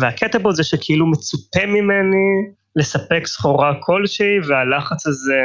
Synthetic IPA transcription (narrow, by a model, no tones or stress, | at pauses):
veaket̪abozeʃekʰeilumet͡sutemːimeni | le̞sapeksχoʁakʰo̞lʃeivealaχat͡saze